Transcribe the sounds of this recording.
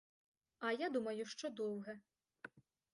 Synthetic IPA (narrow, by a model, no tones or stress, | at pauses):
ɐjad̪umɐjʊʂt͡ʂɔd̪ɔwɣɛ